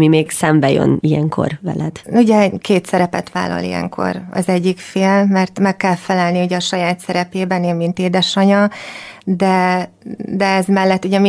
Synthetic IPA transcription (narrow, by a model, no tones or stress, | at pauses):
mimeːɡsɛmbɛjø̰niɛŋkʰo̰rʋɛ̰lɛd̪̥uɟɛkeːt̪sɛɾɛpɛ̰t̪ʋa̰ːlːɒ̰lḭjɛ̰ŋkʰo̞̰rɒ̰zɛɟːikfeːlmɛrt̪mɛkːɛlfɛlɛlniuɟɛɒʃɒjaːt̪sɛɾɛpeːbɛneːmmint̪eːd̪ɛʃɒɲɒ | d̪ɛ | d̪ɛɛzmɛlːɛt̪ːuɟɛmi